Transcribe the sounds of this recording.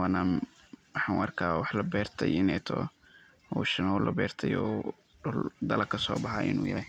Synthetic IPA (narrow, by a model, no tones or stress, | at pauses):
wanaːm | wɑħɑːnwʔɐrkʰaːwɑħlɐbɛːrt̪ʰɐ̰jɪnɛt̪ʰɔ̰ː | ɔʃɐnɔːlʔɐbɛːrt̪ʰɐjɔː | ʊld̪ɐlɐkʰɐsɔːbɑħɑ̰ːʔɪ̰nṵːjɐ̰lɛj